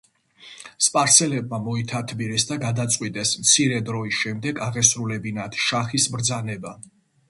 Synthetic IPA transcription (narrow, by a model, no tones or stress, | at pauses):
spʼaɾsɛlɛb̚mamɔit̪ʰat̪ʰbiɾɛsd̪aɡad̪at̪sʼqʼwit̪ʼɛsmt̪sʰiɾɛd̪ɾɔisʃɛmd̪ɛɡaʁɛsɾulɛbinat̪ʰʃaχisbɾd̪zanɛba